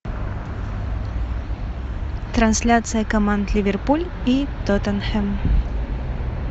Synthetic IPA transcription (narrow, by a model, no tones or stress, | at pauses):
t̪ɾansʲlʲat̪sɨjɐkɐmand̪lʲivʲɛrpulʲit̪ɔt̪ɛnxɛm